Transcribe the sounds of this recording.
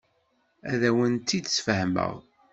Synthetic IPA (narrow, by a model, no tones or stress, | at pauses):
æðæwənt̪ːid̪sfəhmə̰ʁ